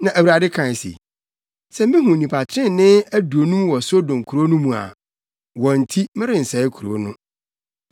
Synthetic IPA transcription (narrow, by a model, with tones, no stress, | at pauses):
nã˨ʔæ˨wu˨ɾa˨dɪ˦kʰã˨n˨sḭ˨ | sɛ˦mɪ̃˦ɦũ˨nĩ˨pʰa˨t͡ɕʰɪ˦ɪ̃˦n˨nɪ̃˦æ˦du˨o˨nũ˦mwɔ˨so˦dʊ̃˨ŋ̩˨kʰu˨ɾo˦nũ˦mũ˨a̰˨ | wɔ̃˨n̩˨tʰi˦mɪ̃˦ɾɪ̃˨n̩˨sɛ˨ɪ˦kʰu˨ɾo̰˦nʊ̃˦